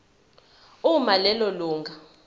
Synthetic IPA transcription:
umalɛloluːŋɡʱa

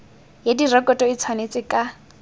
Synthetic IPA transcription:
jedirɛkʼɔtʼɔit͡sʰwanet͡sʼɪkʼa

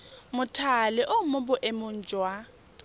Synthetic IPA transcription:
mʊtʰalɪʔʊmʊbʊʔemʊn̩ːd͡ʒʱʼwa

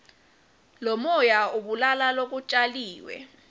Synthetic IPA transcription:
lɔmɔjauɓulalalok̬ut͡ʃʼaliːwɛ̰

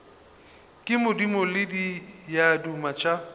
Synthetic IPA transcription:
kʼɪmʊdimʊlɪdijadumat͡ʃʼa

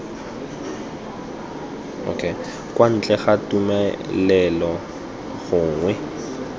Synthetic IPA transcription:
o̰kʰe | kwan̩t͡ɬʼɛχatumɛlɛlɔ | ɣʊːŋwɛ

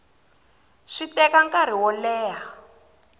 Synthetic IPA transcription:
ʂitɛkaŋkaɾ̤iwɔlɛːɦa

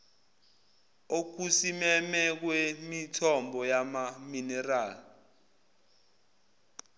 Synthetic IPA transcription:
ok̬usimɛmɛk̬wemitʰɔmbʱɔjamaminɛraːli

